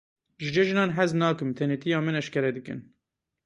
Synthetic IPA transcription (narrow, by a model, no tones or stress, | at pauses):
ʒɨd͡ʒɛʒɨnɑːnɦɛznɑːkɨmt̪ʰɛnet̪ʰijɑːmɨnɛʃkɛɾɛd̪ɨkɨ̰n